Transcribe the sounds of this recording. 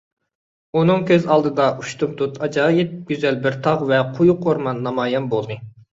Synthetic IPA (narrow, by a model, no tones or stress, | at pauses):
unɨŋkʲʰøzɑlˠd̪ɨd̪ɑuʃt̪umt̪ʰut̪ʰɑd͡ʒɑːjɨt̪̚ɡʲyzɛlbɪɾt̪ʰɑʁvɛqʰujqʰoɾmɑnːɑmɑːjɛmbolˠd̪ɨ